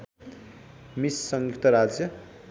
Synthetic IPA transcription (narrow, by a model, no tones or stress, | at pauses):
misːʌŋjuk̚t̪ʌɾad͡zjʌ